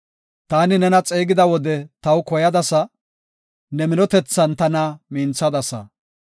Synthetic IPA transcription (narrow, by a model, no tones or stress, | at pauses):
t̪aːnɪnɛnɐt͡sʼeːɡɪd̪ɐwɔd̪ɛt̪ɐwkɔjɐd̪ɐsɐ | nɛmɪnɔt̪ɛt͡sːɐnt̪ɐnɐmiːnt͡sːɐd̪ɐsɐ̰